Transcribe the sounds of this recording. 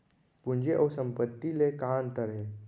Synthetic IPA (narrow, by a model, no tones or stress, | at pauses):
pʊnd͡ʒeʔɔːsə̃mpət̪ːilekaːnt̪əɾɦeː